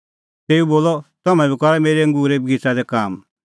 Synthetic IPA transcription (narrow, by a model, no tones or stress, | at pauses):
t̪eːũboːlɔt̪ɔmɛ̃bikɔɾɛmeːɾɛŋɡuːɾeb̚ɡɪt͡sad̪ɛkaːm